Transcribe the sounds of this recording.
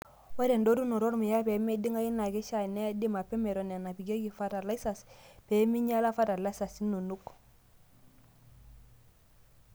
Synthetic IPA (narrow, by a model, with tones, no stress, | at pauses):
we˦ɾe˨ndo˦ɾu˦no˨ɾo˦ɾmi˨ja˦pe˨˦me˦di˦ŋa˦ji˦na˨ke˦ʃa˦˨ne˦di˦ma˨pe˦me˨ɾo˨ne˨na˨pi˨ɡe˦ki˨fa˦ta˨la˦i˦sa˨spe˨˦mi˦ɲa˦la˦fa˦ta˨la˦sa˨si˦no˨nu˦k